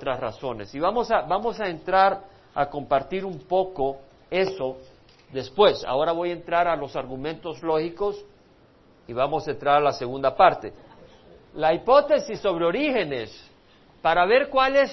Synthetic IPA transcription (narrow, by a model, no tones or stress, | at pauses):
t̪ɾasraso̞ne̞̰siβamo̞sabamo̞saent̪ɾaɾ | ako̞mpaɾt̪iɾumpo̞ko | e̞so̞ | ðe̞spwe̞sa̰o̞ɾaβo̞jaent̪ɾaɾalo̞saɾɣumẽ̞nt̪o̞zlo̞xiko̞s | iβamo̞sent̪ɾaɾalaseɣund̪apaɾt̪e̞ | laipo̞t̪e̞sisːo̞βɾeo̞ɾixe̞nes | paɾaβe̞ɾkwales